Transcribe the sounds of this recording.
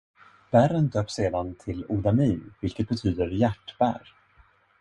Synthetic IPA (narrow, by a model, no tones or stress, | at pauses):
b̥æɾənd̪øːpseːd̪ant̪ʰɪlʊd̪amiːnvɪlkət̪̚bɛt̪ʰyːd̪əɾjæʈːb̥æ̰ɾ